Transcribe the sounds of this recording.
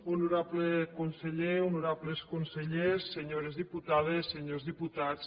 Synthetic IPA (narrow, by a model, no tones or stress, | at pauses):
unuɾaplekonseʎeunuɾapleskonseʎesːeɲoɾezðiput̪aðesːeɲozðiput̪at͡s